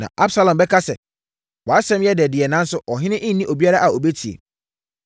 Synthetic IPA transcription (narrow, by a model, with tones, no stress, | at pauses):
nã̰˨ʔa˦bsa˦lɔ̃˨mbɛ˦kʰa˦sɛ˨ | wɔ˨a˦sɛ̃˦m˦jɛ˦dɛ˨dɪ˨ɛ˨nã˦n̩˦sʊ˦ʔɔ˨ɦɪ̃˦nɪ̃˦ʔɪ̃˦n̩˦nĩ˦ʔo˨bi˦a˦ɾa˦ʔa˨o˨be˦tʰi˨ḛ˨